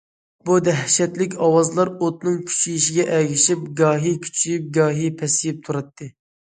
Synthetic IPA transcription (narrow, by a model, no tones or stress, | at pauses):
bud̪ɛɦʃɛt̪lɪk̬ʲɑwɑzlˠɑɾot̪nɨŋkʲʰy̥t͡ʃʰijiʃiɡʲɛʔɛɡʲiʃip̚ɡɑːɦikʲʰy̥t͡ʃʰijyp̚ɡɑːɦipʰɛsijip̚t̪ʰuɾɑt̪ʰːɨ